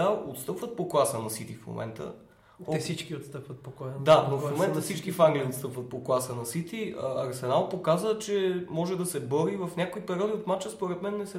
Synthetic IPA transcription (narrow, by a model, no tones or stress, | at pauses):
aot̪st̪ɤpvət̪̚poklˠasənɐsit̪ifmo̰mʔɛ̰nt̪ə̰ | osit͡ʃkiot̪st̪ɤpvət̪̚pokɔjd̪anofmomɛnt̪əfsit͡ʃkifaŋɡlʲiiot̪st̪ɤpvət̪̚poklˠasənɐsit̪iəɐɾsɛnalˠpokazət͡ʃɛmɔʒɛd̪ɐsɛbɤɾivɐfnʲakoipɛɾʲiɔd̪iot̪mat͡ʃəspoɾɛt̪mɛnːɛsɛ